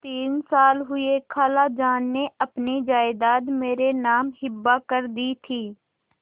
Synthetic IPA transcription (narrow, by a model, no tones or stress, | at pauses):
t̪iːnsaːlɦʊekʰaːlad͡ʒaːnːeɐpnid͡ʒaːɪd̪aːd̪meːɾenaːmhɪbːakəɾd̪it̪ʰiː